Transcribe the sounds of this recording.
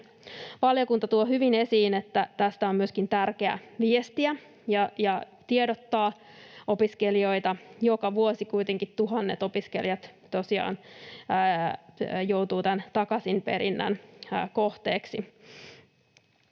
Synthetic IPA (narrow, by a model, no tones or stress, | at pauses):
ʋɑljokunt̪ɑt̪uoɦyʋinesiːnet̪ːæt̪æst̪æommyøskint̪ærkeæ̰ʋiest̪iæ | jɑjɑ | t̪iedot̪ːɑː | opiskelio̞jt̪ɑjokɑʋuosikujt̪eŋkit̪t̪uɦɑnːḛt̪o̞piskḛljɑt̪t̪osiɑ̰ːnː | jowt̪uːt̪ænt̪ɑkɑsimpe̞̰ɾinːæ̰nːko̞ht̪eːksi